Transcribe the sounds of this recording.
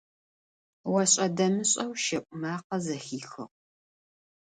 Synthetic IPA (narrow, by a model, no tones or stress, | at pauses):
wɐɕʼɐdɐmɨɕʼɐwʃɐʔʷʼʊmaːqɐzɐxiːxɨ̰ʁ